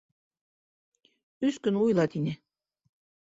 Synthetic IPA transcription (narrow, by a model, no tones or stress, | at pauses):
yskynujlˠɑt̪inʲɘ